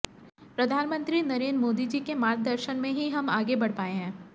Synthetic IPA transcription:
pɾɐd̪ʱaːnmə̃nt̪ɾinɐɾeːnmoːd̪id͡ʒiːkemaːɾ̚d̪əɾʃənmẽɦiɦɐmaːɡebɐɽ̤paːeɦɛ̃ː

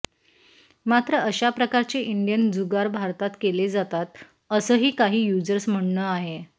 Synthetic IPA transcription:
mat̪ɾəəɕapɾəkaɾt͡ɕeʔiɳɖijənd͡zuɡaɾbʱaɾt̪at̪keled͡zat̪at̪ | əsəːɦiːkaɦiːjud͡zəɾsm̤əɽnəːaɦe

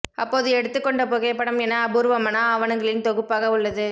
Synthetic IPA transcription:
ɐ̰pːoːɐðɯɛɽɯt̪ːɯkːɔɳɖɐpoːɣepːɐɽɐmɛnːaɐbuːɾɯʋɐmɐnaːɐʋɐnɐŋɡɐɭɪlnt̪ɔɣɯpːaːɣɐʊɭːɐðɯ

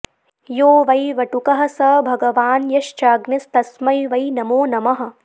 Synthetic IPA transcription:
joːʋɐjʋɐʈukɐɦɐ̆sɐbʱɐɡɐʋaːnjɐʃt͡ʃaːɡnɐst̪ɐsmɐjʋɐjnɐmoːnɐmɐɦɐ̆

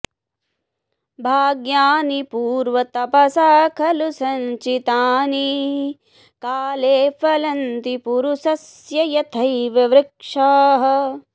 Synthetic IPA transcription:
bʱaːɡjaːnipuːɾʋɐt̪ɐpɐsaːkʰɐlusɐɲt͡ʃit̪aːni | kaːleːfɐlɐnt̪ipuɾusɐsjɐjɐt̪ʰɐjʋiʋɾɪkʂaːɦɐ

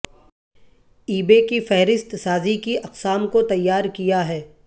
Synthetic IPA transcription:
iːbekifɛɦɾɪst̪saːzikiʔɐqsaːmkot̪ɐjːaːɾkijaɦɛː

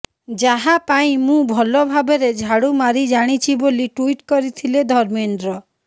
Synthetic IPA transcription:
d͡ʒaɦapaĩmũbʱɔlɔbʱabeɾed͡ʒʱaɽumaɾid͡ʒaɽ̃it͡ʃʰiboliʈuiʈkɔɾit̪ʰiled̪ʱɔɾmenɖɾɔ

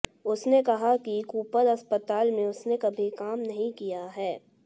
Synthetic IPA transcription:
ʊsnekɐɦakikuːpəɾɐspət̪aːlmẽʊsnekɐbʱikaːmnɐɦĩkijaɦɛː

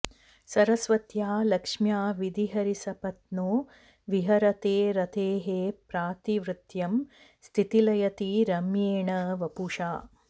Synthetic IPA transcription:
sɐɾɐsʋɐt̪jaːlɐkʂmjaːʋid̪iɦɐɾisɐpɐt̪noː | ʋiɦɐɾɐt̪eːɾɐt̪ʰeːɦeːpɾaːt̪iʋɾɨt̪jɐm | st̪ʰit̪ilɐjɐt̪iɾɐmjeːɳɐʋɐpuʂaː

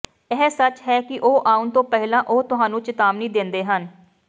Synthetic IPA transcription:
ɛːsət͡ʃɦɛːkɪʔoːʔaːũnt̪õːpɛɦɪlãːʔoːt̪ʊɦãːnũːt͡ʃɪt̪aːmnĩːd̪ɪ̃nd̪eːɦən

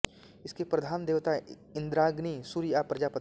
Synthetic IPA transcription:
ɪskepɾɐd̪ʱaːnd̪eːʋt̪a | ɪ̃nd̪ɾaːɡnisuɾiaːpɾɐd͡ʒaːpɐt̪

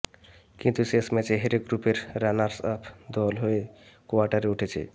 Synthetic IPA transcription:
kint̪usesmɛt͡ɕeɦeɾeɡɾupeɾɾanaɾsɔpʰd̪ɔlɦoekoaɾʈaɾeuʈʰet͡ɕʰḛ

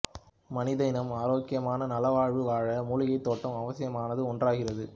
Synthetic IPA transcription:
mɐnɪðɐɪnɐmaːɾoːkːɪjɐmaːnɐnɐlɐʋaːɻʋɯʋaːɻɐmuːɻɪɣɐɪt̪ːoːʈːɐmɐʋɐsɪjɐmaːnɐðɯɔndraːɣɪrɐðɯ

